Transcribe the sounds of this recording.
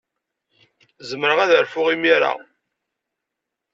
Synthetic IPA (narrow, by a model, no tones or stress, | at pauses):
zəmɾəʁæðəɾfʊʁimiɾa̰